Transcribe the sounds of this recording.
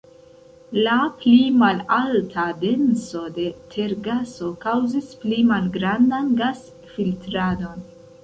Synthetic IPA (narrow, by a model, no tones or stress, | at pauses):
laplimalaltʰade̞nso̞de̞tʰe̞ɾɡaso̞kawzisplimalɡɾandanɡas | filtɾado̞n